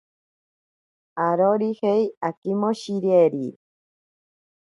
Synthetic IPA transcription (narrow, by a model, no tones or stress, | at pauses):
aɾoɾihejakimoɕiɾieɾi